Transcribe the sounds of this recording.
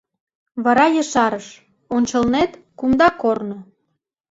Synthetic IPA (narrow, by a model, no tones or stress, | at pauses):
βɑɾɑjəʃɑɾəʃ | onʲt͡ɕə̆lnet̪kumd̪ɑkorno